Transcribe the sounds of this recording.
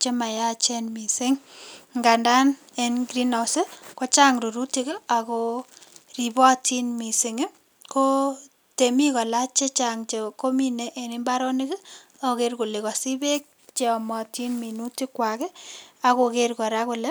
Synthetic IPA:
t͡ʃe˦ma˨ja˦t͡ʃɛ˦nmi˨se˦ŋŋɡa˨nda˦n | e˦nɡɾi˦nɔ˨se˦ko˦t͡ʃa˦ŋɾu˨ɾu˦ti˦ke˦a˨ko˦ri˨bɔ˦tʰi˦nmi˨sɪ˨ŋɪ˦ | ko˦ | te˨mi˦kɔ˨la˦t͡ʃe˦t͡ʃa˨ŋt͡ʃe˨ko˦mi˦ne˨ʔe˨ni˦mba˦ɾɔ˦nɪ˦kɪ˦ | ɔ˨ke˦rku˨le˨kɔ˨si˦be˦k̚ | t͡ʃe˨ɔ˨mɔ˨ti˦nmi˨nu˦ti˦kwa˨kɛ˦a˨koke˦rkɔ˨ɾa˦kʊ˨lɛ˦

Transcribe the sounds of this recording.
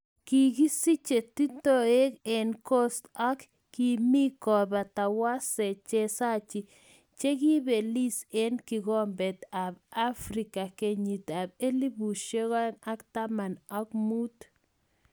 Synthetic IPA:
ki˨ɡi˦si˦t͡ʃe˨t̪i˦t̪o˦e˦ke˨nkɔ˦st̪ɔ˦kː | i˨mi˦kɔ˨ba˨t̪a˨wa˦se˨t͡ʃe˦sa˦t͡ʃi˨ | t͡ʃe˦ki˦be˨li˦se˦nki˨ɡɔ˦mbe˨t̪a˨ba˦fɾi˨ka˨ke˨ɲi˨t̪a˨be˦li˦bu˨ʃe˦ɣɔ˦na˦kt̪a˦ma˨nɔ˦k̚mu˦t̪

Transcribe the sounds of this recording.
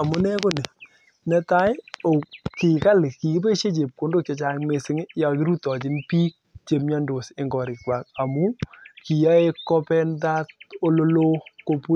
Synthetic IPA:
a˨mʊ˦nɛ˦ko˦ne˨ | nɛ˦ta˦jo˨kɪ˨ka˦lɪ˨ki˨ki˦p̬e˦ʃe˦t͡ʃe˨p̚ko˨ndo˦k̚t͡ʃe˧t͡ʃa˦ŋme˨sɪ˦ŋ˦ja˨ki˦ɾu˦tɔ˨t͡ʃɪ˦npiː˦k̚t͡ʃe˨mɲa˦ndo˨sɪ˨ŋɡɔ˨ɾɪ˨ka˨k̚a˨mu˦ki˨ja˦e˦kːɔ˦pɛ˦nda˦t̚o˦lo˦lo˦ko˧pu˦

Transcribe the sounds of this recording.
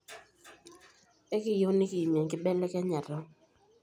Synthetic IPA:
ɛ˦kɪ˨jo˦nɪ˦kɪ˨ji˨mjɛ˨ŋkɪ˦bɛ˦lɛ˦ka˦ɲa˨ɾɔ˦

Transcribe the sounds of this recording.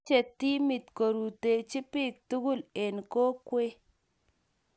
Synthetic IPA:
t͡ʃe˨tːi˦mɪ˨tko˨ɾu˨te˨t͡ʃɪ˦pɪ˦˨k̚tu˦ɡu˦˨le˨nko˦kwe˦

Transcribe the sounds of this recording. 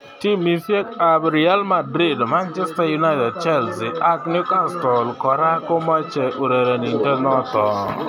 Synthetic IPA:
ti˦mi˦fjɛ˦ka˨bɾi˨a˦lma˨dɾi˦˨dma˦nt͡ʃɛ˦sta˦ju˨˦na˦ɪ˦tɛ˨d̚t͡ʃɛ˦˨lsɪ˨ʔa˦kn˦ʊ˦ka˦˨stɔ˨lkɔ˨ɾa˦ko˦ma˦t͡ʃɛ˨ʔo˨ɾe˨ɾe˨ni˨ntɛ˦nɔ˦tɔ˨

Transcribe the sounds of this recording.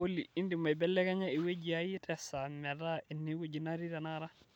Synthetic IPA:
o˦lii˦ndi˨ma˨bɛ˦lːɛ˦ka˦ɲa˦i˨we˦d͡ʒiaji˦tɛsa˨mɛ˨ɾa˦i˨nːi˦we˦ɟi˨na˦ɾi˦ɾa˨naɾa˦

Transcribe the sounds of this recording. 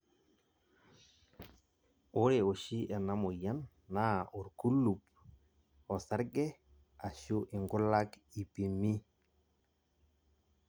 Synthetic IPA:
ʊ˦ɾe˨o˨ʃi˦ʔɛ˨na˦mʊ˨ja˦nː | a˦˨ʊ˨ɾku˦lu˨p | ɔ˨sa˦ɾɡɛ˦ | a˨ʃʊ˦ʔɪ˨ŋɡʊ˦la˦ki˨pi˨mi˦

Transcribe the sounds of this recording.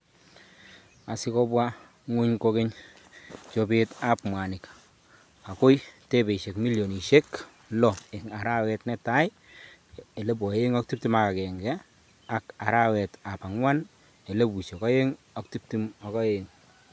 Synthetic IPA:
a˨sɪ˦kɔ˦bwa˦ | ŋu˦ɲko˦ke˦ɲ | t͡ʃo˦pe˦ta˦pmwa˨nɪ˨k | a˨ko˦jte˦be˨i˨ʃe˨kmi˦ljo˨ni˨ʃe˦k | lɔ˨e˨ŋa˨ɾa˦wɛ˦tnɛ˦ta˦j | e˨le˦bwɔ˨je˦ŋɔ˦k̚tu˦p̚ti˦ma˨ka˨kɛ˨ŋɡɛ˦ | a˨ka˨ɾa˦wɛ˨ta˨pa˨ŋwa˦n | e˨le˦bu˨t͡ʃɔ˨kɔ˦je˦ŋ | ɔ˦kti˦p̚ti˦mɔ˨kɔ˦je˦ŋ

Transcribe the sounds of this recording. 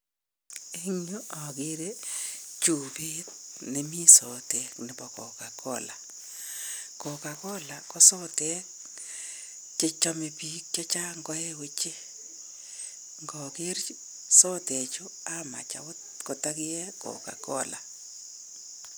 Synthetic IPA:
e˦ŋ˦o˦ɔ˨ɡɪ˦ɾe˦t͡ʃu˨bi˦tnɪ˨mi˦sɔ˨te˨˦knɪ˨bɔ˨kɔ̰˨ka˨kɔ˦˨la˨ | kɔ˨ka˨kɔ˦la˨kɔ˦sɔ˦te˦k | t͡ʃɪ˦t͡ʃɔ˦me˨pi˦kt͡ʃa˦t͡ʃa˦ŋɡɔ˦e˦we˦t͡ʃe˦ | ŋɡɔ˨ke˦ɾ | sɔ˦te˨t͡ʃo˦a˦ma̰˨t͡ʃa̰˨w | ko˨ta˦kɪ˦jɛ˦kɔ̰˨ka̰˨kɔ̰˦la̰˨

